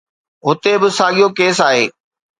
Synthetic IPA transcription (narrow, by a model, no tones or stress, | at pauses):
ɦʊt̪ebɪsaːɠijokeːs̬aːɦḛː